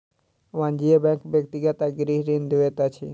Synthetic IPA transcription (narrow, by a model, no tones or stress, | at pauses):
ʋãnd͡ʒijebɛ̃ŋkbjək̚t̪iɡat̪aɡɾiɦɾind̪eʋet̪at͡ʃʰi